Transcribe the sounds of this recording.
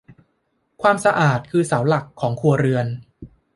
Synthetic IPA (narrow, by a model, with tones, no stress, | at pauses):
kʰwaː˧msa˧ʔaː˨˩t̪̚kʰɯː˧saː˩˦wla˨˩kʰːɔː˩˦ŋkʰu˧ɐɾɯ˧ən